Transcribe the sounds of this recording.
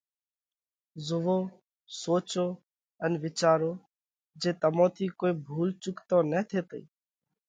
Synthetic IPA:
zʊʋoː | soːt͡ʃoː | ənʋɪt͡ʃaːɾoː | d͡ʒeːt̪əmõːt̪ʰiːkoːeːbʱuːlt͡ʃʊkt̪õːnɛːt̪ʰeːt̪əiː

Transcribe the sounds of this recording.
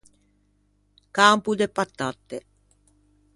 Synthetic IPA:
kaːmpud̪epat̪ːat̪ːe

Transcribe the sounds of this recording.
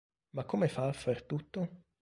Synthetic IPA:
makʰːomefafert̪ut̪ːo

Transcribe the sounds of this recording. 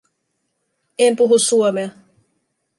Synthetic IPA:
empuɦusːuomeɑ

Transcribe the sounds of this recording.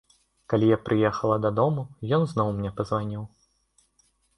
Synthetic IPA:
kalʲijapɾɨjɛxɐlˠɐd̪ɐd̪ɔmujɔnzn̪ɔwmnʲɛpɐzvanʲiw

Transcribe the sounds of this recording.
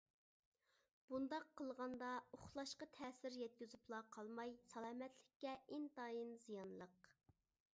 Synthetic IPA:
b̥und̪ɑqʰːəlˠʁɑnd̪ɑoχlˠɑʃqɑt̪ʰɛːsɪɾjɛt̪̚kʲyzuplˠɑqʰɑlˠmɑjsɑlˠɑːmɛt̪lɪkʲːɛʔɪnt̪ɑjinzijɑnlˠəq

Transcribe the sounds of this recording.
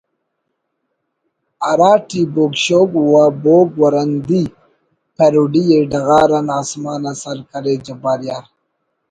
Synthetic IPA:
aɾaːʈiboɡʃoɡwaboɡwaɾand̪i | peɾuɖijeɖaɣaːɾanaːsmɑːnasaɾkaɾed͡ʒabaɾjaɾ

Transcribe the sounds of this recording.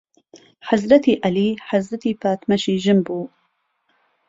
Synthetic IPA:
ħazɾɐt̪iːʔɐliːħazɾat̪iːpaːt̪mɐʃiːʒɨmbuː

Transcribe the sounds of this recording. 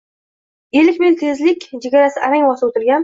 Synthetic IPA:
elɪkʲment̪ʰezlɪkʲd͡ʒeɡʲaɾasɪʔaɾaŋwɒsɪbot̪ɪɾɡʲan

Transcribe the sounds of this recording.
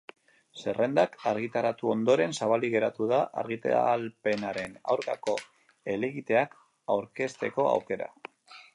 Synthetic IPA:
se̞re̞nd̪akaɾɣit̪aɾat̪uo̞nd̪o̞ɾe̞nsaβaliɣe̞ɾat̪uðaʔa̰ɾɣit̪a̰alpe̞naɾena̰wɾkako̞ | e̞leɣit̪e̞ak | awɾke̞st̪e̞ko̞a̰wke̞ɾa̰

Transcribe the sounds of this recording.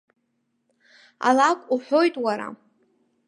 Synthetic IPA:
a̰lakʷʼuħʷo̞jtʼwaɾa̰

